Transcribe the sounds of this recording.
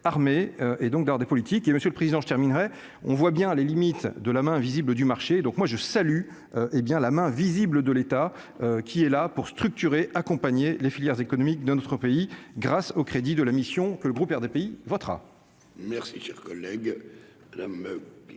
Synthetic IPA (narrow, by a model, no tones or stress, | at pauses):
aʁmeøʔed̪ɔ̃k̚d̪aʁd̪epɔlit̪ikeməsjøləpχezid̪ɑ̃ʒət̪ɛʁminʁɛ | ɔ̃vwabjɛ̃lelimit̪d̪əlamɛ̃vizibləd̪ymaʁʃed̪ɔ̃kmwaʒəsaly | øʔebjɛ̃lamɛ̃vizibləd̪əlet̪a | økʲʰiɛlapuʁst̪χyk̚t̪yʁeʔakɔ̃paɲelefiljɛʁzekɔnɔmikd̪ɛ̃nɔt̪χəpeiɡʁasokχed̪id̪əlamisjɔ̃kələɡʁupɛʁd̪epeivɔt̪χa̰ | mɛʁsiʃɛʁkɔlːɛɡ | mad̪am